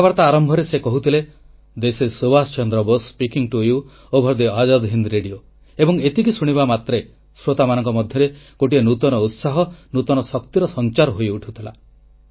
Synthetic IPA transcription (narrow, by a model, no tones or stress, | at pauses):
abaɾt̪aːɾɔmbʱɔɾesekɔɦut̪ʰile | d̪esesobast͡ʃɔnd̪ɾɔbospikiŋʈuju | obʱɔɾd̪iad͡ʒad̪ɦind̪ɾeɖio | ebɔŋet̪ikisuɽ̃iβamat̪ɾe | sɾot̪amanɔŋkɔmɔd̪ʱjɔɾeɡoʈienut̪ɔnɔut̪saɦɔnut̪ɔnɔsɔkt̪iɾɔsɔnt͡ʃaɾɔɦojuʈʰut̪ʰila̰